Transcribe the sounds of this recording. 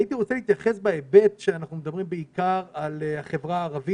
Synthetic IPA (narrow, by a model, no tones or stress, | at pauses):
it̪iʁo̞t͡seliːt̪jaχe̞sbaebe̞t̪ʃeanaχnumed̪ɐbʁimbeikaʁaleaχe̞vʁaːʁavi